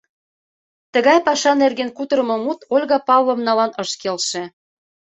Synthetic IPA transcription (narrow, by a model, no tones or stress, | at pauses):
t̪ə̆ɣɑjpɑʃɑnerɣenkut̪ɤɾə̆mɤ̆mut̪olʲɣɑpɑvlɤ̆mnɑlɑnɤʃkelʃĕ